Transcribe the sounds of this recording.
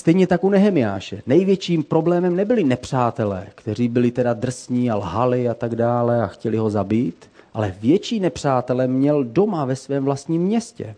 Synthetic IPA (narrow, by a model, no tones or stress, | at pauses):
st̪ɛjɲɛt̪akunɛɦɛmɪja̰ːʃɛnɛjvjɛt͡ʃiːmpɾo̞blɛːmɛmnɛbɪlɪnɛpr̝̥aːt̪ɛlɛ̰ːkt̪ɛr̝iːbɪlɪt̪ɛdad̪r̩sɲiːalɦalɪat̪aɡdaːlɛaxcɛlɪɦo̞zabiːt̪ʔalɛvjɛt͡ʃiːnɛpr̝̥aːt̪ɛlɛmɲɛldo̞mavɛsvɛːmvlast̪ɲiːmːɲɛscɛ̰